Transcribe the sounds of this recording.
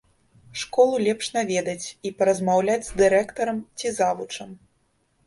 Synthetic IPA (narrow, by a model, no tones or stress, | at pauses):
ʂkɔlˠulʲɛpʂnavʲɛd̪ɐt͡sʲipɐɾɐzmawlʲad͡zʲzd̪ɨɾɛkt̪ɐɾɐmt͡sʲizavut͡ʂɐm